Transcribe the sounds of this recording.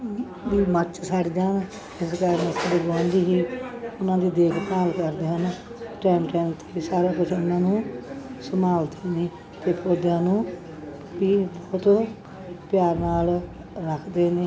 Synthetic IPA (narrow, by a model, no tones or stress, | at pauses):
ʋiːmət͡ʃsaɽd͡ʒaːn | ɪskaɾnesaɖəɡãːnd̪iːɦiːʊnãːd̪iːd̪eːkʰpaːlkəɾd̪eːɦən | ʈɛːmʈɛːmt̪ʰeːsaːɾaːkʊt͡ʃʰʊnãːnũːsəmaːld̪eːneː | t̪eːpʰɾoːd̪jãːnũː | ʋiːbɔːt̪ | pjaːɾnaːl | ɾəkʰd̪eːneː